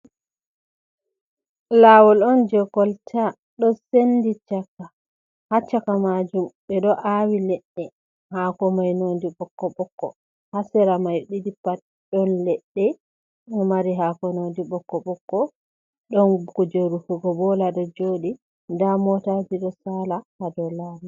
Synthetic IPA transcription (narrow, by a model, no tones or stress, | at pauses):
laːwɔlɔnd͡ʒɔɡɔltʰa | ɗɔsendit͡ʃakːa | hat͡ʃːakamad͡ʒumɓɛɗɔʔawilɛɗːɛ | haːkɔmajnondiɓɔkːɔɓɔkːɔ̰ | hasɛɾamajɗidipat̚ | ɗɔnlɛɗːɛ | maɾiɦakɔnodiɓɔkːɔɓɔkːɔ | ɗɔnkud͡ʒeɾufuɡɔbɔlaɗɔd͡ʒoɗi | ndamɔtad͡ʒiɗɔsalahadɔlaːwi